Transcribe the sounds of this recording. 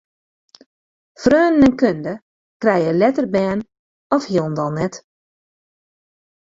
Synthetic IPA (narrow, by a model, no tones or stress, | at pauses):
frøːnənɛnkøndə | krɛjəlɛtərbɛːn | ɔfhiəlˠn̩dɔlˠnɛt